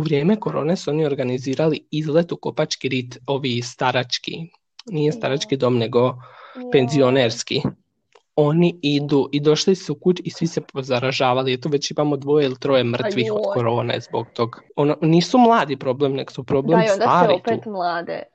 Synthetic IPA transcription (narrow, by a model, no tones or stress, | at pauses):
uʋɾje̞ːme̞ko̞ɾo̞ːnesuo̞nio̞ɾɡaniziːɾaliizlˠet̪ukopat͡ʃkiɾit̪o̞ʋist̪aɾat͡ʃkḭ | nijest̪aɾat͡ʃkid̪o̞ːmne̞ɡo̞pe̞nzio̞neːɾski | o̞niid̪uʔid̪o̞ʃlisuukut͡ʃisʋise̞pozaɾaʒaːʋaliet̪oʋe̞t͡ɕimaːmo̞d̪ʋo̞jeilit̪ɾo̞je̞mr̩t̪ʋixod̪ko̞ɾo̞ːnḛzboɡ̚t̪o̞ɡononiːsumlˠaːd̪ipɾo̞blemneɡosupɾo̞blemsod̪aaːɾotp̪et̪mlˠaːd̪ḛ